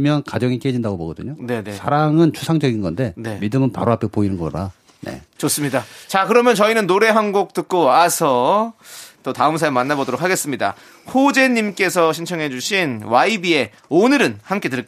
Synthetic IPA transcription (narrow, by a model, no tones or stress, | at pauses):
mjʌnkad͡ʑʌŋik͈ed͡ʑindaɡoboɡʌdɯ̰ɲone̞nesʰaɾaŋɯnt͡ɕʰu̥sʰaŋd͡ʑʌɡinɡʌnde̞ne̞midɯmɯnpa̰ɾoapʰepoinɯnɡʌɾa̰ | ne̞̰t͡ɕos͈ɯmɲidat͡ɕakɯɾʌmjʌnt͡ɕʌinɯnːoɾe̞ɦanɡok̚t͈ɯk̚k͈oasʰʌ | t͈otaɯmsʰaemanːabodoɾokʰːaɡe̞s͈ɯmɲida̰ | hod͡ʑe̞ɲimk͈e̞sʰʌɕʰint͡ɕʰʌŋɦe̞d͡ʑuɕʰinwaibie̞ | onɯɾɯnhamk͈e̞tɯɭ